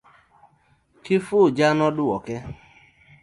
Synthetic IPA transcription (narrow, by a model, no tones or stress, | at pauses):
kɪfʊd͡ʒanɔdʊwɔke